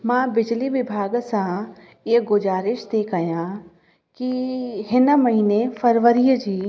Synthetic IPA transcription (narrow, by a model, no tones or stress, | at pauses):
mãːbɪd͡ʒliʋɪbʱaːɡsã | eːɡʊzaːɾɪʃt̪eːkajã | kiɦɪnmɐɦiːnefɐɾʋəɾijəd͡ʒiː